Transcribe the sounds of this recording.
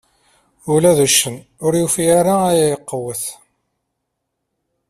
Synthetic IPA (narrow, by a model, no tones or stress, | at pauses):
ulæðuʃːən | ʊɾjufjaɾaæjæjəqːəwəθ